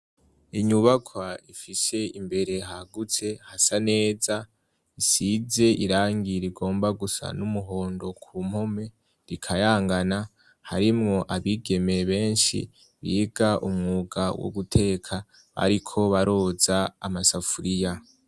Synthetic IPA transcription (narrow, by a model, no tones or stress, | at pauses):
iɲuβakʰwaifise̞imbe̞ɾe̞ɦaɡut͡se̞hasane̞ːza | isize̞ʔiɾaːŋɡiɾiɡo̞ːmbaɡusa̰numuɦo̞ːndo̞kʰum̥ho̞me̞ | ɾikʰajaːŋɡana | haɾimŋo̞ʔaβiɡe̞me̞βe̞ːnʃḭ | βiːɡaʔumŋuːɡawo̰ɡutʰe̞ːkʰa | βa̰ɾikʰo̞βaɾo̞ːza̰ːmasafuɾija